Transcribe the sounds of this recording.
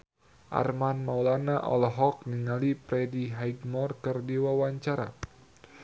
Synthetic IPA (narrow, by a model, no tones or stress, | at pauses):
ʔa̰rmanmawlanaʔɔ̰lɦɔk̚niŋalipɾɛdiɦajɡmɔrkɨrdiwawaɲt͡ʃaɾa̰